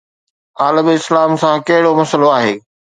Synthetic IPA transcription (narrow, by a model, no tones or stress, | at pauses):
aːləmɪslaːmsãkɐɦɪɽomɐsəloaːɦeː